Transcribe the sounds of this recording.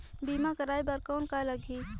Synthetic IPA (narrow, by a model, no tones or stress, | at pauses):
biːmakəɾaːibəɾkɔːnkaləɡʱiː